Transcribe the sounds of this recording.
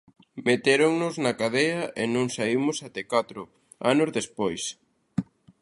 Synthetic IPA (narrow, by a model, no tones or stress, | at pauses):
met̪eɾoŋnʊznɐkaðeɐʔenõŋsaimʊsat̪ɛkat̪ɾʊ | a̰nʊzðespojs